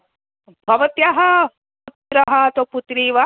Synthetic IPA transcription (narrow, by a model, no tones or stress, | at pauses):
bʱɐʋɐt̪jaɦɐ | put̪ɾɐɦɐt̪oput̪ɾiːʋɐ